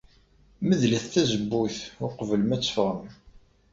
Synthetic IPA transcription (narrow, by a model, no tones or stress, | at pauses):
məðlæθθæzəbːuθʊqvəlmæt͡sːə̥fʁəm